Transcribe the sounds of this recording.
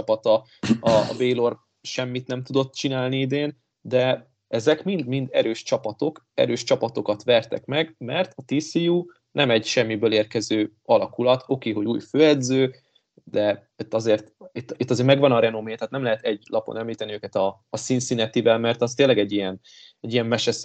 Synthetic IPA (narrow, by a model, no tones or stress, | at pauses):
t͡ʃɒpɒt̪ɒ | ɒ̰ːbeːjlo̞r | ʃɛmːit̪nɛmt̪ud̪o̞t̪ːt͡ʃinaːlniid̪eːn | d̪ɛ | ɛzɛkmind̪mind̪ɛɾøːʃt͡ʃɒpɒt̪o̞k | ɛ̰ɾøːʃt͡ʃɒpɒt̪o̞kɒt̪ʋɛrt̪ɛ̰kmɛɡmɛrt̪ɒt̪iːsijuː | nɛmɛɟʃɛmːibøːleːrkɛzøːɒlɒkulɒt̪ʰo̞keːɦo̞ɟuːjføːɛd̪zøː | d̪ɛ | it̪ːɒzeːrt̪it̪ːit̪ːɒzeːɾmɛɡʋɒnɒɾɛnomeːt̪ɛːt̪nɛmlɛɦɛt̪ɛɟlʔɒpo̰nɛmliːt̪ɛniøːkɛt̪ɒːsiːnsinɛt̪ivɛlmɛrt̪ɒst̪eːlːɛɡɛɟːijɛn | ɛɟːijɛmmɛʃɛs